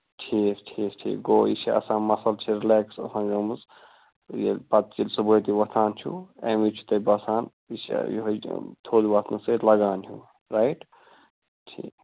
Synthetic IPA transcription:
ʈʰiːkʈʰiːkʈʰḭːkɡoːḭsiɐ̰sãːmɐsɐlt͡ʃʰiɾileːksɐ̰sãːnɡɐmɨz | jḛpɐt̪̚t͡ʃilsubəjt̪iʋɐt̪ʰaːnt͡ʃʰṵḛmit͡ʃʰu̥t̪ɐjbɐsaːn | isḭj̰ɦɐt̪ʰoːliʋɐt̪ʰnɐselɐɡaːnɦṵ | ɾajʈ | ʈʰḭːk

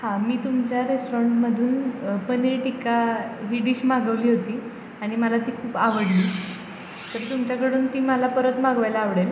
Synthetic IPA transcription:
hãmiːt̪umt͡ɕjaɾesʈoɾaɳʈməd̪ʱuːnpəneɭʈikaɦiɽiːɕmaɡəʋliːɦot̪iː | aɽ̃iməlat̪iːkʰuːpaʋəɽliː | t̪əɾt̪umt͡ɕjakəɽuːnt̪iːməlapəɾət̪maɡʋajlaːʋɽel

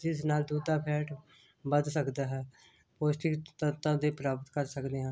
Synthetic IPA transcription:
d͡ʒɪsnaːld̪uːd̪aːpʰɛːʈ | bəd̪səkd̪aːɦɛː | poːsʈɪkt̪ət̪ãːd̪eːpɾaːbət̪kəɾsəkd̪eːɦɛ̃ː

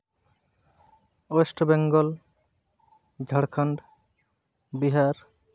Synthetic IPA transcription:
osʈbɛŋɡɔl | d͡ʒʱəɽkʰaɳɖ | biɦaɾ

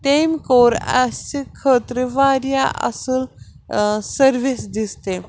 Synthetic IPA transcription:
t̪emkoɾa̰sikʰət̪ɾəʋaɾjaʔə̰səl | səɾʋisd̪ist̪e

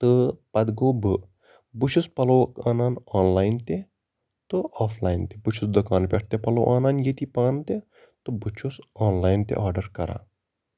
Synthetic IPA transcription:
t̪ɨpɐd̪ɡoːbɨ | but͡ʃʰuspɐloːkaːnaːnɔːnlaːjnt̪e | t̪ɨɔːfʰlaːjnt̪ebut͡ʃʰusd̪okaːnpʲeʈ̚ʰt̪epɐlo̰ːʔaːnaːnjet̪ipaːnt̪e | t̪ɨbut͡ʃʰusɔːnlaːjnt̪ḛʔaːɾɖɐɾkɐɾa̰ː

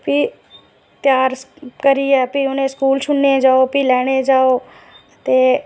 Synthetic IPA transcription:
pi | t̪jaːɾkəɾiɛpiʊnẽskuːlt͡ʃʊnːed͡ʒaːopilɛːɽ̃ed͡ʒaːoː | t̪eː

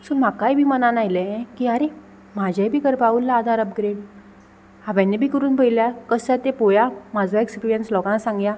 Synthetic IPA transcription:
sulm̤akajbʱiːmənanajləẽkiəɾe | m̤ad͡ʑʱajbʱiːkəɾpaulːaːd̪ʱaɾəpɡɾeɽ | aʋɛ̃nːebʱiːkəɾuːnpəjiljakəsat̪epojamad͡zaekspiɾijənslɔkãnsãŋɡja

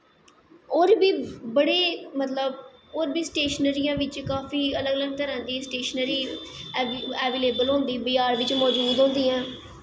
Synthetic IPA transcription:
oːɾbiːbəɽeːmət̪ləboːɾbiːsʈeːʃnəɾijãːʋɪt͡ʃkaːfiːələɡələɡ̚t̪əɾãːnd̪iːsʈeːʃənəɾiː | ɛːʋeːleːbəlɦʊ̃ːnd̪iːbɪjaːɾʋɪt͡ʃmɔːd͡ʒuːd̪ɦõːnd̪iːãː

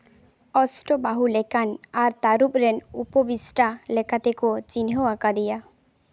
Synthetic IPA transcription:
ɔsʈobaɦulekanaɾt̪aɾupɾenupobisʈalekʰat̪ekot͡ɕinɦoakad̪ija

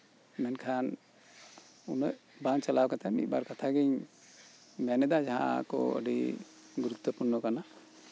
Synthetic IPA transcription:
mɛnkʰan | unəʔbaŋt͡ʃalawkat̪ʰamḭt̪̚baɾkat̪ʰaɡiɲ | mɛnɛd̪ad͡ʒaɦã̰kɔ̰ə̰ɖḭ | ɡuɾut̪ːəpuɾnɔkana

